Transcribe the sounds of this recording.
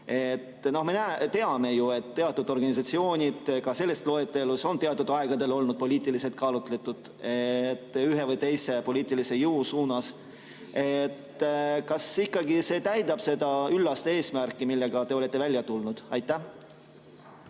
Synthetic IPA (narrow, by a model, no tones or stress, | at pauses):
e̞t̪no̞hme̞næet̪e̞ɑme̞jue̞t̪ːt̪ːe̞ɑt̪ːˑud̪o̞rɡ̥ɑnʲis̬ɑt̪sio̞ːnʲid̪̥kɑse̞lːe̞st̪lo̞et̪ːˑe̞luso̞nt̪e̞ɑt̪ːˑud̪̥ɑeɡ̥ɑd̪e̞lo̞lnud̪̥̚po̞lʲiːt̪ˑilise̞lt̪̚kɑːlut̪ˑlet̪ːˑud̪̥ | et̪ːyɦe̞vɯjt̪e̞jse̞po̞lʲiːt̪ˑilise̞jɯusuːnɑs | et̪kɑsikːˑɑɡise̞ːt̪æjd̪ɑb̥se̞d̪̥ɑylːɑst̪ee̞ːsmærkːˑimilːeɡ̥ɑt̪e̞o̞le̞t̪ːe̞vælʲjɑt̪ulnud̪̥ɑjt̪ːˑæ